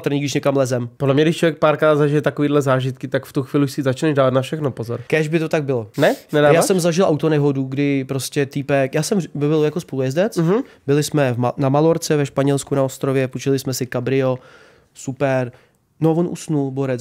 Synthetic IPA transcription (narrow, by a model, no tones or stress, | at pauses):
t̪r̩ɲiːɡdɪʃɲɛkamlɛzɛmpodlɛmɲɛɡdɪʃt͡ʃlovjɛk̚paːɾkɾaːt̪zaʒɪjɛt̪akoviːdlɛzaːʒɪt̪kɪt̪akft̪uxviːlɪuʃsɪzat͡ʃnɛʒdaːvat̪nafʃɛxnopozoɾkɛʒbɪt̪o̞t̪aɡ̚bɪlonɛnɛdaːjaːsɛmzaʒɪlˠʔawt̪onɛɦo̞duɡdɪpɾoscʲɛt̪ɪpɛkjaːsɛmvɪbɪljakospolujɛzdɛt͡s̩ɦ̩bɪlɪsmɛvnamaloɾt͡sɛvɛʃpaɲɛlskunaost̪ɾovjɛput͡ʃɪlɪsmɛsɪkabɾɪo̞ | supɛɾ | novonʔṵsnulboɾɛt͡s